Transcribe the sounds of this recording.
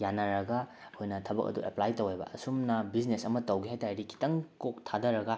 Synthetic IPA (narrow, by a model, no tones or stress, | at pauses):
janɐɾɐɡɐ | hojnɐtʰɐbɐ̰kɐ̰duʔḛplajtɐwejbɐ̰ɐsumnɐbiznesɐmɐtɐwɡiɦajtajɾikʰi̥tɐŋkok̚tʰadɐɾɐɡɐ